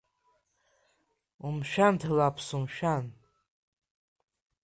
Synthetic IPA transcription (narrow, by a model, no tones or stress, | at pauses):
umʃᶣantʰalapʰsumʃᶣan